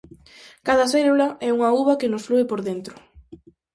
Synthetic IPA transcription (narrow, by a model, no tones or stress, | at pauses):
kaðɐs̬ɛlulɐɛuŋɐuβɐkɪnʊsfluɪpoɾðent̪ɾʊ̥